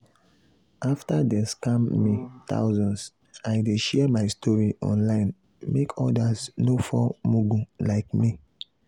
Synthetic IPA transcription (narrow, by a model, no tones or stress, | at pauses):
aftadɛskãmːita̰ʊzɔ̃ns | aɪdeʃɛmaɪstʰɔɹiʔɔ̰̃nlãɪ̃n | mekʰɔdasnofɔmuɡũlaɪkmi